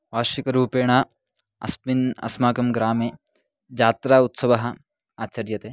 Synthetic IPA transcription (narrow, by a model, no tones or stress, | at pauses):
ʋaːʃikɐɾuːpeːɳ̃aː | ɐ̰spminɐ̰smaːkɐmɡɾaːmeː | d͡ʒaːt̪ɾaːut̪sɐʋɐɦɐ̆ | aːt͡ʃɐɾjɐt̪eː